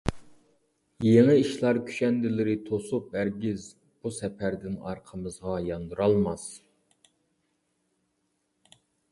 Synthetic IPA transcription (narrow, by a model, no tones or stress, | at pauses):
jeŋɨiʃlˠɑɾkʲʰy̥ʃɛnd̪ɪlɪɾɪt̪ʰosup̚æɾɡʲɪz | b̥usɛpʰæɾd̪ɪnɑ̰ɾqʰəmɨzʁɑjɑnd̪uɾɑlˠmɑs